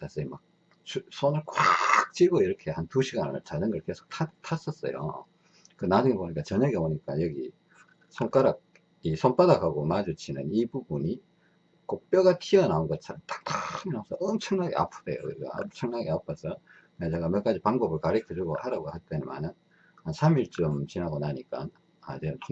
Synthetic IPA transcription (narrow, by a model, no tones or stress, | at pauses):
tʰasʰɯma̰k̚ | t͡ɕusʰonɯɭkwak̚t͡ɕ͈iɡoiɾʌkʰe̞hantuɕʰiɡannɯɭt͡ɕadɯnɡʌɭke̞sʰo̥k̚tʰatʰas͈ʌs͈ʌ̰jo̰ | kɯnad͡ʑuŋeboɲik͈at͡ɕʌɲʌɡeboɲik͈ajʌɡḭ | sʰoŋk͈aɾak̚ | isʰomp͈adaɡaɡomad͡ʑot͡ɕʰinɯnibubuɲi | kok̚p͈jʌɡatʰiʌnaonɡʌt͡ɕʰaɾt͈ḁk̚t͈aɯminas͈ʰʌʌmt͡ɕʰʌŋnaɡe̞̰a̰pʰɯɾḛjo̰kɯɾiɡa̰ʌ̰mt͡ɕʰʌŋnaɡeapʰʌs͈ʰʌ | et͡ɕeɡamjʌk͈ad͡ʑipaŋbʌbɯɭkaɾikʰɯd͡ʑoɡohaɾaɡohaɭt͈enma̰nɯn | asʰamiɭt͡ɕ͈ʌmt͡ɕinaɡonaɲik͈a̰n | at͡ɕenɯntʰo